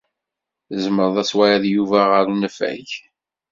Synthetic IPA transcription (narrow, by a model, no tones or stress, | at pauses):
əzməɾðˤæswæjæðjuvæʁəɾnəfæ̰ç